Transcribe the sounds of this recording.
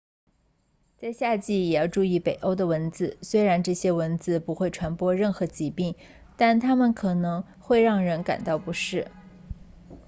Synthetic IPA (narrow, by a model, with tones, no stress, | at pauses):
t͡sa˥˧ɪɕja˥˧t͡ɕi˥˩jɛ˨˩jɑ˥˧ʊʈ͡ʂu˥˧i˥˩pe˨˩ɪʔo˥ʊd̪ə˨wə˧˥nd͡zɹ̩˧˩swe˥ɪɻa˧˥nʈ͡ʂɤ˥˩ɕjɛ˥wə˧˥nd͡zɹ̩˧pu˧˥xwe˥˩ɪʈ͡ʂʰwa˧˥npwɔ˥ɻə˥˩nxɤ˧˥t͡ɕi˧˥pi˥˩ŋ | t̪a˥˩nt̪ʰa˥mə˨nkʰɤ˨˩nɤ˧˥ŋ | xwe˥˧ɪɻɑ˥˩ŋɻə˧˥nka̰˨˩nt̪ɑ˥˩ʊpu˧˥ʂɻ̩˥˩